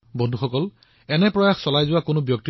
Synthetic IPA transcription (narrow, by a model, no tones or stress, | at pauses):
bɔ̃ndʱuxɔkɔl | ɛnɛpɹɔjaxsɔlajzʊwakʊnʊbjɔk̚t̪i